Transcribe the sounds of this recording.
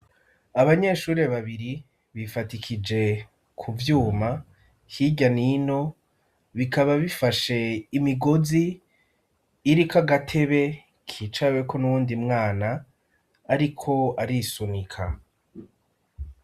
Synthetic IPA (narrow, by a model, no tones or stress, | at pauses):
aβaɲe̞ʃuːɾe̞βaβiɾi | βifatikʰid͡ʒe̞ | kʰuvjuːma | hiɟanino̞ | βikaβaβifaʃeimiɡozi | ɾikaɡatʰe̞βe̞ | kʰit͡ʃawe̞kʰo̞nuβuːndimŋaːnaː | ɾikʰo̞aɾisunikʰa